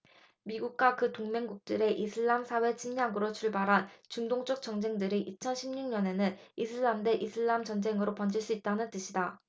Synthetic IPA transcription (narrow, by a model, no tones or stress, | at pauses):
miɡuk̚k͈wakɯtoŋme̞ŋɡuk̚t͈ɯɾe̞ʔisʰɯɭːamsʰawe̞t͡ɕʰimɲaɡɯɾot͡ɕʰuɭbaɾɦant͡ɕuŋdoŋt͡ɕ͈ʌk̚t͡ɕ͈ʌŋd͡ʑe̞ŋdɯɾiʔit͡ɕʰʌnɕʰimɲuŋɲʌne̞nɯnisʰɯɭːamde̞ʔisʰɯɭːamt͡ɕʌnd͡ʑe̞ŋɯɾopʌnd͡ʑiɭs͈uit̚t͈anɯnt͈ɯɕʰida